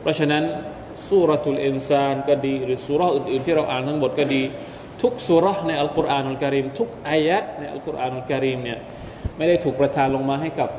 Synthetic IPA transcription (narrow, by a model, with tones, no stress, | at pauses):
pʰɾɔ˦˥t͡ɕʰa˧na˦˥n | suː˥˧˩ɾɔ˦˩t̪lʔi˧nsaː˧nkɔː˥˩diː˧ɾɯː˩˦suː˧ɾɔ˦˥hʔɯː˨˩nʔɯː˨˩nt̪ʰiː˥˩ɾa˧wʔaː˨˩nt̪ʰa˦˥ŋmo˨˩t̪̚kɔː˥˩diː˧ | t̪ʰu˦˥k̚suː˦˥ɾɔ˦˥hna˧jʔa˧lku˦˥ɾʔaː˨˩nʔa˧lka˧ɾiː˧mt̪ʰu˦˥k̚ʔaː˧ja˦˥t̪̚na˧jʔa̰˧lku˦˥ɾʔaː˨˩nʔa˧˨ka˧ɾiː˧mni˥˩ɐ | ma˥˩jda˥˩jt̪ʰuː˨˩k̚pɾa˧t̪ʰaː˧nlo˧ŋmaː˧ɦa˥˩jka˨˩p̚